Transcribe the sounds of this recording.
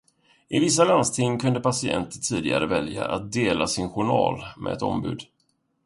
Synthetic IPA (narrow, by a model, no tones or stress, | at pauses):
ʔɪvɪs̬ːalanst̪ʰɪŋkʰɵnd̪əpasɪɛ̰nt̪ət̪ʰiːd̪ɪɡa̰ɾəvɛlja̰ʔat̪̚d̪eːlasɪnɧʊɳɑːlmʔɛ̰ɛt̪ɔ̰mbʉ̟ːd̪